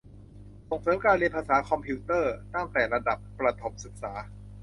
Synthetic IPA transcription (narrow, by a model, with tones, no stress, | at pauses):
so˨˩ŋsɤː˩˦mkaː˧nli˧npʰaː˧saː˩˦kʰɔ˧mpʰiː˧˦˥t̪ɤː˥˩t̪a˥˩t̪ɛː˨˩ɾa˧da˨˩p̚kɾa˧t̪ʰo˩˦m̚sɯ˨˩k̚saː˩˦